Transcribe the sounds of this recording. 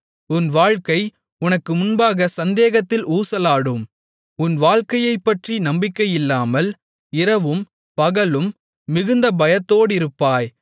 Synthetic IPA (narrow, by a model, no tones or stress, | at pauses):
ʊnʋaːɻkɐɪ | ʊnɐkːɯmʊnbaːɣɐsɐnd̪eːɣɐt̪ːɪlʔuːsɐlaːɽɯm | ʊnʋaːɻkɐjɐɪpːɐʈrinɐmbɪkːɐjɪlːaːmɐl | ɪɾɐʋɯm | pɐɣɐlɯmː | ɪɣɯnd̪ɐbɐjɐt̪ːoːɽɪɾɯpːaːj